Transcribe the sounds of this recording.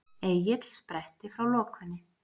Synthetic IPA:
ejɪt̪l̥spɾɛht̪ɪfɾawlɔːkʏnːɪ

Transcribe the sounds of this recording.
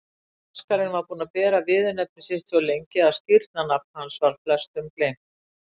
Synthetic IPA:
askaɾɪnvaɾpuːnapɛːɾavɪːðʏnɛp̚nɪsɪht̪sɔlejɲcɪaðscɪɾt̪̚nanap̚n̥hansvalflœst̪ʏmpleːm

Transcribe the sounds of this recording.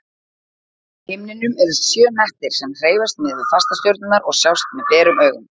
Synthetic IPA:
hɪmnɪnʏmɛɾðʏsjœːmɛht̪ɪɾ̥sɛmr̥eːjvast̪mɛðɪfast̪ast̪jowɾt̪nʏnaɾɔɣsjawst̪̚mɛðpɛːɾʏmœːɣʏm

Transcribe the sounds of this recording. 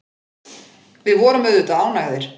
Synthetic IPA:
vɪðvɔːɾʏmœðʏt̪aaːwnaɣðɪɾ̥

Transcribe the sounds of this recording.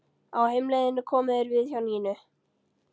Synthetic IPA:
awhejmlejðɪnːʏkʰɔːmɪðɪɾvɪðçjawniːnʏ

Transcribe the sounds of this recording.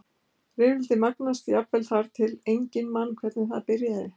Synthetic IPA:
rɪːvɪlt̪ɪmaknast̪japvɛlθaɾ̥t̪ʰɪlejɲcɪnmanːkʰvɛɾt̪nɪθaðpɪɾjaðɪ

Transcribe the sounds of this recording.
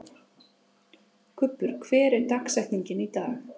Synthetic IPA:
kʰʏpːʏɾ̥kʰvɛːɾɛɾt̪aksɛht̪niɲcɪnit̪a̰ːɣ

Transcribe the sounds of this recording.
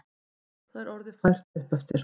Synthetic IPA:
θaðɛɾɔɾðɪ̥fajr̥t̪ɛðpœft̪ɪɾ̥

